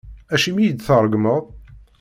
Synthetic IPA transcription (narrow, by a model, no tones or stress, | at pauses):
æʃimijəd̪θəɾˤːəɡməðˤ